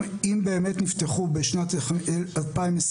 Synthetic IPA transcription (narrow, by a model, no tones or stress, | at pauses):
imbeːmetnifteχubeʃnatlalpaimes